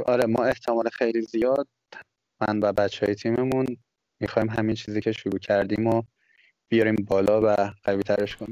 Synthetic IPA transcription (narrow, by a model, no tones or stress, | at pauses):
ʔɒːɾemɒːe̞ht̪ʰemɒːlexejlizijɒd̪̥̚ | mænvæbæt̪t͡ʃːeɒːjet̪ʰiːmemun | mixɒːimɦæmint͡ʃʰiːziːcʰe̞ʃuɾuːcʰæɾd̪imo | b̥ijɒɾiːmbɒːlɒːvæɢ̥æviːt̪ʰæɾeʃkʰoniːm